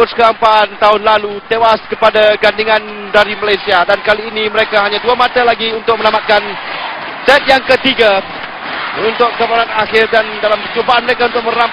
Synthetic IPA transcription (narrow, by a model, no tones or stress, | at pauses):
ʊskəɾampaːnt̪aɦʊnlalut̪ewaskəpadaɡandiŋãn | daɾimalajsiadankaliːniməɾekaɦaɲãduamat̪alaɡiunt̪ʊk̚mə̃nambat̪̚kan | sɛt̪̚jaŋkət̪iɡa | unt̪ʊkkəmanat̪axɪrdandalamkət͡ʃubaanməɾekaunt̪ʊk̚mə̃ɾam